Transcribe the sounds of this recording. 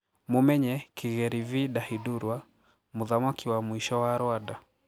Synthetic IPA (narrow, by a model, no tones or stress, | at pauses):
mumɛɲɛkiɣɛɾiviɗahiduɾwa | muðamwakiwamwiʃɔwaɾwada